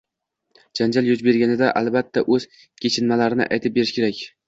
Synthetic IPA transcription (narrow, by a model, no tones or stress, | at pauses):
d͡ʒand͡ʒaljʊd͡ʒbe̞ɾɡʲanɪd̪aʔalˠbat̪ʰːaʔɵz̥ | kʲʰe̞t͡ʃʰɪnmalaɾɪnɪ̰ʔa̰jt̪ʰɪp̚be̞ɾɪʃkʲʰe̞ɾakʲ